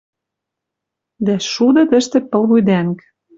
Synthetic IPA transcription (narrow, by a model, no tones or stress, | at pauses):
d̪æʃud̪ɤ̆t̪ɘ̆ʃt̪ĕpɤ̆lβujd̪æŋk